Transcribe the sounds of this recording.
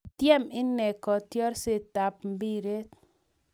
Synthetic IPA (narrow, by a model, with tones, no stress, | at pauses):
tjɛ˦mɪ˦nɛ˨kɔ˨tjɔ˦ɾse˦ta˨p̚mbi˦ɾe˦